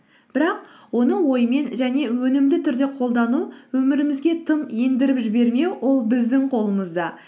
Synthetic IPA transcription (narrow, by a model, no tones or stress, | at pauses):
b̥ɪɾɑq̚ | wo̞nəwo̞jəme̞nʒæne̞wɵnɪmd̪ɪt̪ʰʏɾd̪e̞qʰo̞lˠd̪ɑnuwɵmɪɾɪmɪzɡʲe̞t̪ʰəmend̪ɪɾɪpʒɪbe̞ɾme̞wwo̞lˠbɪzd̪ɪɴqʰo̞lˠəməzd̪ɑ